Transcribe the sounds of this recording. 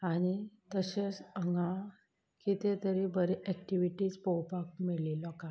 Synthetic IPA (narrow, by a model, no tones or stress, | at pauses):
añit̪əɕet͡səŋɡa | kit̪et̪əɾibəɾeʔɛkʈiʋiʈiːt͡spɔwpak̚mililɔka